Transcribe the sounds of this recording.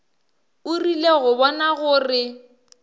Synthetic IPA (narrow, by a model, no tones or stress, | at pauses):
ʊrileɣʊbɔnaɣʊrɪ